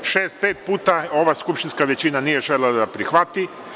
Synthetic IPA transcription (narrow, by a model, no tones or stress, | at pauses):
ʃeːst̪̚peːt̪̚puːt̪ao̞ʋaskupʃt̪inskaʋet͡ɕinanije̞ʒelad̪apɾixʋat̪i